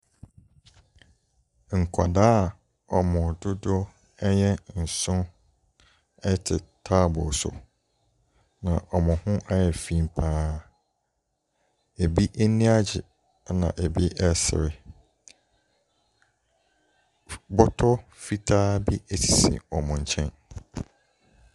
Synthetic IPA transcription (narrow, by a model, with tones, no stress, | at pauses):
ŋ̩˨kʷʰa̰˨daː˦˨ | ɔ˨mʊ̃˨dʊ˦dʊ˦ | ɛ˦ɲɛ˦n̩˨sʊ̃˦ | ɛ˦tʰɪ˨tʰa˦bʊ˨sʊ̰˨ | nã˨ʔɔ˨mʊ̃˨hʊ̃˦ʔa˦jɛ˨fĩ˨mpʰãː˦ | e˨bi˦ʔe˦nĩ˦a˦d͡ʑɪ̰˨˦ | nã̰˨ʔe˨bi˦ʔɛ˦sɪ̰˨ɾɪ˦˨ | bɔ˦tʰɔ˦fi˦tʰaː˦bi˦e˨tʰi̥˨sḭ̃˨ɔ˨mʊ̃˨ɲ˨t͡ɕʰɛ̃˦n